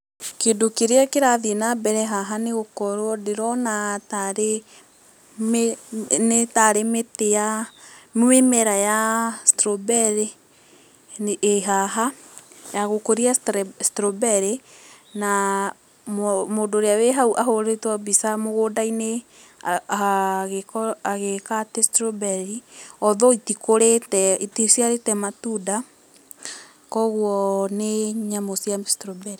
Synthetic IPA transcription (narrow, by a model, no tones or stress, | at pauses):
kedokeɾeakeɾaðenabɛɾɛɦaɦaneɣokɔɾoɔdeɾɔnataɾe | mnetaɾemetejamwemɛɾajastɾobɛɾe | eɦaɦajaɣokoɾiastɾobɛɾe | na | mmoːndoːɾeaweɦauʔaɦoɾetwabisamoɣoːdaine | ɣekɔaɣekatestɾobɛɾiɔðɔitikoɾetɛitisjaɾetɛmatuda | kɔɣwɔneɲamosjastɾobɛɾe